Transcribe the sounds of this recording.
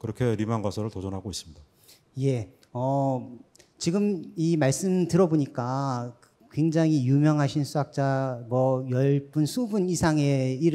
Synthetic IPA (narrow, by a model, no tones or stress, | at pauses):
kɯɾʌkʰe̞ɾimanɡwasʰʌɾɯɭtʌd͡ʑʌnɦaɡois͈ɯ̥mɲida | je̞ | ʌ | t͡ɕiɡɯmimaɭs͈ɯmtɯɾʌboɲik͈a | kwe̞ŋd͡ʑaŋijumjʌŋɦaɕʰinsʰuak̚t͡ɕ͈amwʌjʌɭp͈ɯnsʰubunisʰaŋe̞iɾ